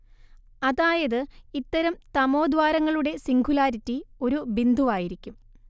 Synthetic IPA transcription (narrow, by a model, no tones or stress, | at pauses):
ɐðaːjɐðɨit̪ːɐɾɐmt̪ɐmo̞ːd̪ʋaːɾɐŋːɐɭuɽe̞siŋɡʱulaːɾitːio̞ɾubind̪ʱuʋaːjiɾikʲːum